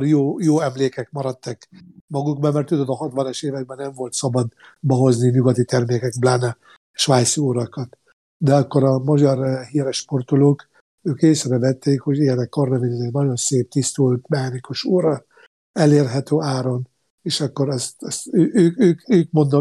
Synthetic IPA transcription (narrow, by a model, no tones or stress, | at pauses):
rjoːjoːɛmleːkɛkmɒɾɒt̪ːɛkmɒɡuɡbɒmɛrt̪ːud̪od̪ɒɦɒt̪ʋɒnɒʃeːvɛɡ̚bɛnːɛɱvo̞lt̪sɒbɒd̪ | bɒɦo̞zniɲuɡɒt̪it̪ɛrmeːkɛɡblaːnɛ | ʃʋaːj̪suuɾɒkɒt̪ | d̪ɛɒkːoɾɒmɒɟɒrɦiːɾɛʃpo̞rt̪uloːk | øːkeːsɛɾɛvɛt̪ːeːkho̞ɟiɛnɛkkornɛvenizɛɟnɒɟo̞nseːp̚t̪ist̪ult̪mɛhɒnikuʃuːɾɒ | ɛleːrɦɛt̪øːaːɾo̞n | eːʃɒkːo̞ɾɛst̪ɛst̪øːʔøːkøːkøːk̚mo̞nd̪o